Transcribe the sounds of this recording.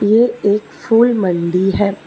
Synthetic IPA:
jeeːkfuːlmɐ̃ɳɖiɦɛː

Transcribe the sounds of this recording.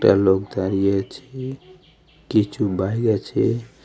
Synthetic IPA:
ʈa̰lokd̪aɾijat͡ʃʰɛ | kit͡ʃʰubaiɡat͡ʃʰɛ

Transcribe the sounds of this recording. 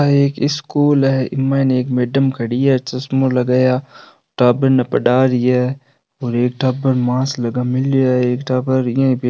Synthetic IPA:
aeːkɪskuːlɛʔɪmːaneːkmeːɖəmkʰɐɽɪjaːt͡ʃɐsmolɐɡaːjaː | ʈaːbəɾnɐpɐɖaːɾɪja | oːɾeːk̚ʈaːbəɾmãːslɐɡamɪlːijaeːkʈabəɾjãbe

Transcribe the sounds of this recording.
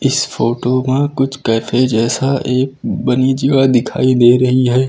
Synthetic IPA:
ɪsfoːʈomãkʊt͡ʃʰkɛːfʰed͡ʒɛːsaʔeːk̚bənid͡ʒiːʋad̪ɪkʰa̰ːid̪eːɾɐɦiɦɛː

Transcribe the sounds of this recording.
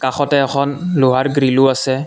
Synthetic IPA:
kaxʰɔtɛɛxʰɔnloɦaɹɡɹilʊasɛ

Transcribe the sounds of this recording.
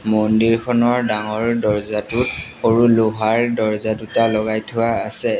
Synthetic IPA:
mondiɹkʰɔnɔɹdaŋɔɹdɔɹzatʊtxoɹuluɦaɹdɔɹzadutalɔɡajtʰʊaːsɛ

